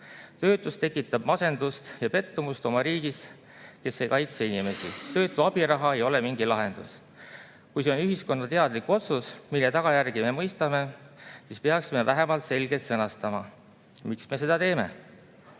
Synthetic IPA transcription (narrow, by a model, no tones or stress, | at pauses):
t̪ø̞ːt̪ˑːust̪e̞kːˑit̪ːˑɑb̥mɑse̞nd̪̥ust̪jɑpe̞t̪ːumust̪o̞mɑɾiːɡ̥is | ke̞sːe̞jkɑjt̪seinime̞sḭt̪ø̞ːt̪ːˑuɑb̥iɾɑɦɑe̞jo̞le̞miŋɡilɑɦe̞nd̪̥us | kujseo̞nyɦisko̞nːɑt̪e̞ɑd̪̥likuo̞t̪susmilːet̪ɑɡ̥ɑjærɡ̥ime̞mɤjst̪ɑme̞ | sispe̞ɑksime̞væɦe̞mɑlt̪se̞lʲɡ̥e̞lt̪sɤnɑst̪ɑmɑ | miksme̞s̬e̞d̪ɑt̪e̞ːme̞̰